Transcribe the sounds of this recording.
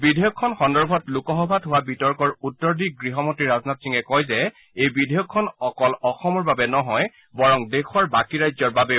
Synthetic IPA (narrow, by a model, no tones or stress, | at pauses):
bidʱejɔkʰːɔnxɔndɔɹbʱɔtlukɔɦɔbʱadɦʊwabitɔɹkɔɹutːɔɹdik̚ɡɹiɦɔmɔntɹiɹazɔnatsiŋɛkɔjzɛ | ejbidʱejɔkʰːɔnɔkɔlɔxɔmɔɹbabɛnɔɦɔj | bɔɹɔŋdekʰɔɹbakiɹajzɔɹbabɛ